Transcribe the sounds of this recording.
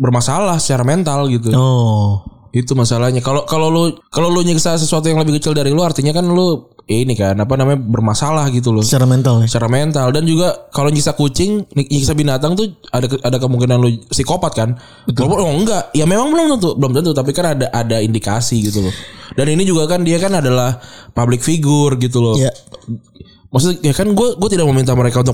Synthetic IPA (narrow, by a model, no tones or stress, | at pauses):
bərmasalahsə̥t͡ʃaɾament̪alɡit̪̬uɔ | it̪umasalahɲakalokalolʊkalolʊɲiksasəsuat̪̬ujaŋləbɪhkət͡ʃɪldaɾilʊart̪iɲakanlʊinikanapanamaɲbərmasalahɡit̪̬ulʊt͡ʃaɾamɛnt̪alst͡ʃaɾament̪aldand͡ʒuɡakaloɲiksakut͡ʃɪŋniɲiksabinat̪aŋt̪uadaadakəmuŋkinanlosikopat̪̚kan | wbt̪lapʊnoəŋɡaʔjamemaŋmənaŋt̪ənt̪ʊbəlumt̪ənt̪ʊt̪ap̬ikanadaʔadaindikasiɡit̪ulʊdaninid͡ʒuɡakandiakanadalahpablɪkfiɡʊrɡit̪̬ulʊa | mas̬ʊjakanɡuaɡuat̪idak̚məmint̪aməɾekaunt̪ʊ